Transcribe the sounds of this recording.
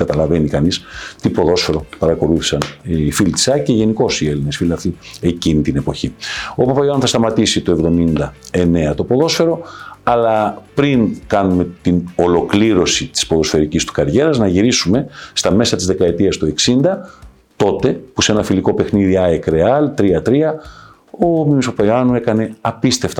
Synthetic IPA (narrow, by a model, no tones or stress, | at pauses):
kɐt̪ɐlɐve̞nikɐnist̪ipo̞ðo̞sfe̞ɾo̞pɐɾɐko̞luθi̥sɐnːfilit̪i̥sɐceʝe̞niko̞sie̞line̞sfilɐft̪ie̞cinit̪ine̞po̞çio̞pɐpɐjoɐnθɐst̪ɐmɐt̪isit̪oe̞vðo̞mind̪ɐe̞ne̞ɐt̪o̞po̞ðo̞sfe̞ɾo̞ɐlɐpɾinkɐnume̞t̪ino̞lo̞kliɾo̞sit̪i̥spo̞ðo̞sfe̞ɾicist̪u̥kɐɾʝe̞ɾɐznɐʝiɾisume̞st̪ɐme̞sɐt̪izðe̞kɐe̞t̪iɐst̪ue̞ksind̪ɐ | t̪o̞t̪e̞pusenɐfiliko̞pe̞xniðiɐekɾe̞ɐlt̪ɾiɐt̪ɾiɐ | omimispɐpɐoɐnue̞kɐne̞ɐpist̪e̞ft̪ɐ